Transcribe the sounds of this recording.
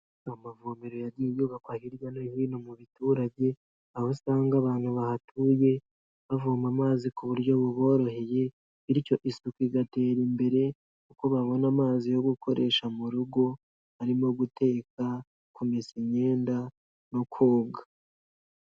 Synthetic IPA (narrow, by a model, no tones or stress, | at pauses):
ahomavomeɾojaɾɟijoɡakwahiɾɡanohiːnomuβituːɾavɟe̞ | ahosaːŋɡaβaːn̥huβahatʰuje̞ | βavuːmamaːzikuβuɾɟo̞βuβo̞ːɾo̞he̞je̞ | iɾico̞ʔisukiɡate̞ːɾimbe̞ɾe̞ | ukoβaβo̞namaːzijo̞ɡukʰo̞ɾe̞ːʃamuɾuɡo̞ | haɾimo̞ɡutʰe̞ːka | kumesiɲe̞ːnda | no̞kʰoːɡa